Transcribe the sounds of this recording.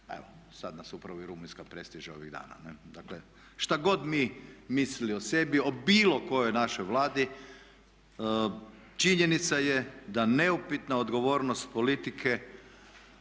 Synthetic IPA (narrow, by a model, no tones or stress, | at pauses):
ḛʋo | sad̪nasupɾaʋoiɾuminskapɾest̪iʒeo̞ʋiɣd̪a̰ːna̰ned̪akle | ʃt̪aɡo̞d̪mimisiliose̞bio̞biːlo̞ko̞jojnaʃojʋlaːd̪i | t͡ʃiɲe̞nit̪sajed̪ane̞upit̪naod̪ɡo̞ʋo̞ːɾnost̪polit̪ikʰe